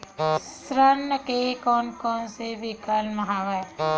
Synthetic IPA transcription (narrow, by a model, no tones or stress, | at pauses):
sɾənːəkekɔːnkɔːnsebʱikəlməɦaːʋə